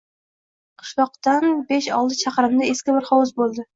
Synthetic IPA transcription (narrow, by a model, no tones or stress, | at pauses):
qʰɨ̥ʃlˠɒq̚t̪anbeʃɒ̰lˠt̪ɪt͡ʃʰaqɾɪmd̪aeskʲɪbɪɾχɒwʊzbolˠd̪ɪ